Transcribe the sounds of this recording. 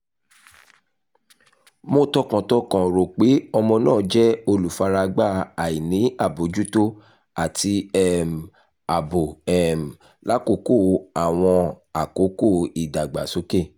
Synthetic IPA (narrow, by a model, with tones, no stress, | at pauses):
mõ˦tɔ˦kã˨tɔ˦kã˨ɾo˨k͡pe˨˦ɔ˧mɔ̃˧nãː˦˨d͡ʒɛ˦o˧lu˨fa˧ɾa˧ɡ͡ba˦˨a˨i˨nĩ˨˦a˦˨bo˨d͡ʒu˦to˦ | a˨ti˧ɛ˦˨m̩˨ | a˨bo˨ɛ˨m̩˨ | la˦ko˨˦ko˦˨˦a˨w̃ɔ̃˧ | a˨ko˨˦ko˦˨i˦˨da˨ɡ͡ba̰˨so˨˦ke˦˨